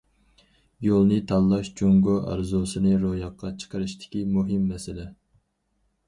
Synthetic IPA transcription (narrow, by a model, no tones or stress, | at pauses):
jolˠnɨt̪ʰɑlˠːɑʃd͡ʒuŋɡoʔɑ̰ɾzosɨnɨɾojɑqʰːɑt͡ʃʰə̥qəɾɨʃt̪ʰɪ̥kʲimuɦɨmːɛsɪlɛ